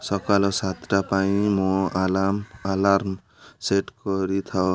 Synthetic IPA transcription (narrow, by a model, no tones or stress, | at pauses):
sʌkalosat̪rapaĩmɔalamalarm | seʈkʌɾit̪ʰʌ